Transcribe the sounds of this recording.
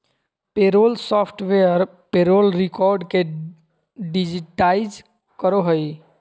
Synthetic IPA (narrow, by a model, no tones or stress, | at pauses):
peɾolsɔpʰʈʋeəɾ | peɾolɾikɔɾɖke | ɖid͡ʒiʈaɪd͡ʒ | kəɾoɦəj